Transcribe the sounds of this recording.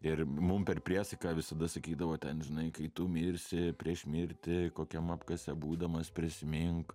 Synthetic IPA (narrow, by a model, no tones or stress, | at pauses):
ɪrmʊmpʲɛrpʲɾʲiɛsɐɪkɑːʋʲɪsɐd̪ɐsɐkʲiːd̪ɐʋoːt̪ʲɛnʒʲɪnɐɪkɐɪt̪ʊmʲiːɾʲsʲɪpʲɾʲiɛʃʲmʲiːɾʲt̪ʲɪkoːkʲɛmɑpkɐsʲɛbuːd̪ɐmɐspʲɾʲɪsʲɪmʲɪŋk